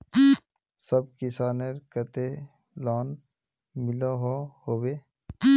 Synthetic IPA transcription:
səbkɪsaːneɾkət̪e | laːn | mɪloɦohoːweː

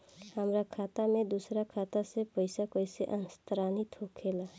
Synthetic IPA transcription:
həmɾakʰaːt̪amẽd̪usɾakʰaːt̪asepəɪsakoɪseʔənst̪ɾaːnit̪ɦokʰela

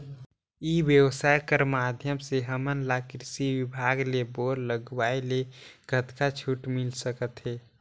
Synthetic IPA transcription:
iwjəwsaːjkəɾmaːd̪ʱjəmseɦəmənlaːkɾsiwɪbʱaːɡleboːɾləɡwaːeleɡʱət̪kat͡ʃʰuʈmɪlsəkət̪ɦɛː

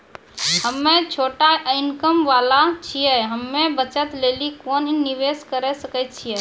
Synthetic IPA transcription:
həmːẽt͡ʃʰoːʈaɪnkəmʋalat͡ʃʰiɛɦəmːẽbət͡ʃət̪lelikoːniniʋeskəɾɛsəkɛt͡ʃʰiɛ

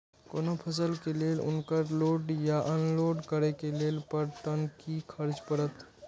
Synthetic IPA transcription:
koːnopʰəs̬əlkeleːlʊ̰nkəɾloːɖjaʔɔːnloːɖkəɾekeleːlpəɾt̪ənkikʰəɾd͡ʒpəɾət̪

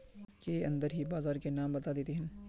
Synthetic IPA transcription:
keɐ̰̃nd̪əɾɦibaːzaːɾkenaːmbɐt̪ad̪eːt̪eɦɛ̃n

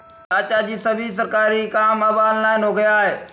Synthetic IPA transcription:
aːt͡ɕad͡ʑiːsɐbʱisəɾkaːɾikaːmɐbaːnlaːɪnoːɡjaɦeː

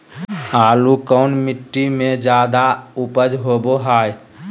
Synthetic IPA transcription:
aːlukəʊnmɪʈːimẽd͡ʒjaːd̪aupəd͡ʒɦoboɦaːj

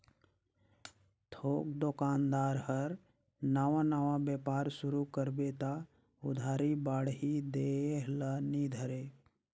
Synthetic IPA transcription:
t̪ʰoːk̚d̪okaːnd̪aːɾɦəɾ | naːʋãnaːʋãbjeːpaːɾsʊɾukəɾbeːt̪a | ʊd̪ʱaːɾibaːɽɦid̪eːɦlanid̪ʱəɾeː

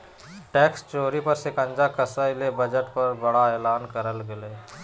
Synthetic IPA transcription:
ʈɛːkst͡ʃoːɾipəɾsekə̃nd͡ʒakəsəlebəd͡ʒəʈpɐɾbɐɽaeːlaːnkəɾəlɡɪleː

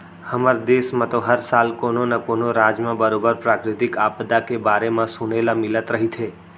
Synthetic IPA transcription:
həməɾd̪esmãt̪oɦəɾsalkononakonoɾad͡ʒmãbəɾobəɾpɾakɾɪt̪ikapd̪akebaɾemãsuɳelamɪlət̪ɾəɦit̪ʰe

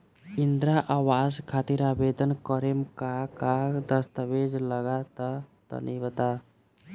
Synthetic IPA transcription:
ind̪ɾaʔaʋaːzkʰat̪iɾaːbed̪ənkɔɾemkakad̪əst̪əʋed͡ʒləɡat̪at̪ə̰nʔibət̪a

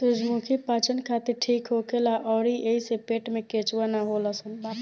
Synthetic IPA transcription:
sud͡ʒmukʰipat͡ʃənkʰat̪iɾʈʰikɦokelaʔɔːɾiʔeisepeʈmeket͡ʃwanaɦoləsən

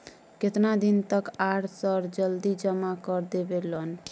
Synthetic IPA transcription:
ket̪nad̪int̪əkaɾsəɾd͡ʒəld̪id͡ʒəmakəɾd̪ebelən

